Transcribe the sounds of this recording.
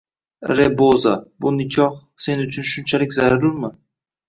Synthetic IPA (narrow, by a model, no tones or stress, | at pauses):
ɾebozabʊnɪkʲʰɒhse̞nʊt͡ʃʰʊnʃʊnt͡ʃʰalɪkʲzaɾaɾulmɪ